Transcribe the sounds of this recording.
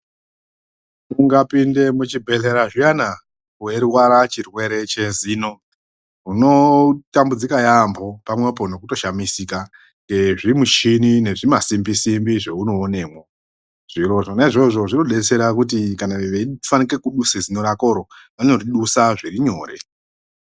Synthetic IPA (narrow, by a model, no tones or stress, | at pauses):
uŋɡapinde̞mut͡ʃibʱe̞ɮe̞ɾaʐiana | kueɾwaɾat͡ʃirwe̞ɾe̞t͡ʃe̞ziːno̞ | uno̞tambud͡zikajambo̞pamwep̬o̞no̞kuto̞ʃamisika | ŋɡe̞ʐimuʃinine̞ʐimasimbisimbiʐeuno̞ːne̞ːmo | ʐ̥iɾo̞ʐonaiʐo̞ʐo̞ʐino̞ɗe̞t͡se̞ɾakutikanaʋeifanike̞kuɗusezino̞ɾako̞ɾo | ʋanoriɗusaʐiriɲo̞ːre̞̰